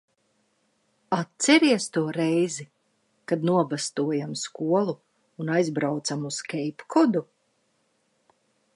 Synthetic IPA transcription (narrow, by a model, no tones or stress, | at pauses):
at̪sɛɾiɛst̪uɔɾɛjzi | kad̪nuɔbast̪uɔjamskuɔlˠuː | najzbɾawt̪samuskʲɛjpkʰɔd̪u